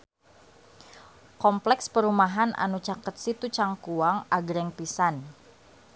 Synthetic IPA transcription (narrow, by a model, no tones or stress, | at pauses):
kɔmplɛkspəɾumaɦanʔa̰nut͡ʃakət̪̚sit̪ut͡ʃaŋkuaŋaɡɾɛŋpisan